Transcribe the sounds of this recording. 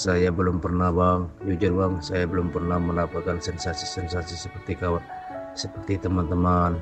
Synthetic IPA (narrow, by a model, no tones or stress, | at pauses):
sajabəlʊmpərnahbaŋjud͡ʒʊrbaŋsajabəlʊmpərnahməlapakansɛnsasisɛnsasisəpərt̪ikawat̪̚ | səpərt̪it̪əmant̪əman